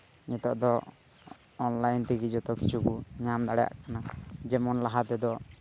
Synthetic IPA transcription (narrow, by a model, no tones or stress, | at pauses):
ɲit̪ɔʔd̪ɔː | nlajnt̪iɡid͡ʒɔt̪ɔkit͡ʃʰukuɲamd̪aɽɛja̰ʔkanad͡ʒɛmɔnlaɦat̪ɛd̪ɔ